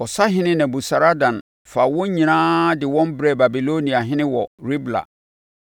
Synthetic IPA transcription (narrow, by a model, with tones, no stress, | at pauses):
ɔ˨sa˦ɦɪ̃˦nɪ̃˦nɛ̃˨bu˨sa˨ɾa˦dã˨n | fa˨wɔ̃˦ɲĩ˨nãː˦dɪ˨wɔ̃˦mbɾɛ˦˨ba˨bi˨lo˦nĩ˨a˨ɦɪ̃˦nɪ̃˦wɔ˨ɾi˦bla̰˨